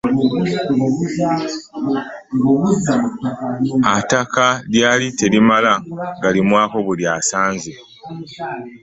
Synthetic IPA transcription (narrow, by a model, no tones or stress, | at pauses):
uz | atakaljaːlite̞limalaŋɡalimwaːko̞βuljaːsaːnze